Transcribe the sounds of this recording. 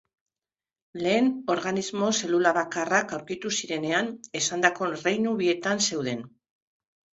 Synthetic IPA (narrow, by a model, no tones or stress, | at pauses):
le̞ːno̞ɾɣanizmo̞se̞lulaβakarakawɾkit̪usiɾe̞ne̞ane̞sand̪ako̞rejnuβie̞t̪anse̞wðe̞n